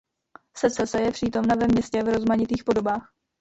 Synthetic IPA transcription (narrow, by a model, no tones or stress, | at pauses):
sɛt͡sɛsɛjɛpr̥iːt̪o̞mnavɛmɲɛscɛvɾo̞zmaɲɪt̪iːxpo̞do̞baːx